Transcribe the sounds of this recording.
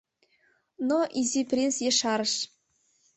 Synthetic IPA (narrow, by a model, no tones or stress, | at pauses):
noʔizʲipʲrʲensjeʃɑɾɤ̆ʃ